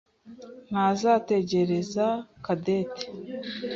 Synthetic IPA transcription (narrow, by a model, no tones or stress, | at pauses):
n̥azate̞ɟe̞ɾe̞zakadeːte̥